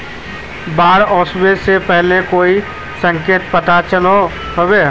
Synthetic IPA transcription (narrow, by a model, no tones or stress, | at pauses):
baːɾɔːsweːɾsepɛɦlekoːi | sə̃ŋkeːt̪pət̪at͡ʃəlo | ɦəweː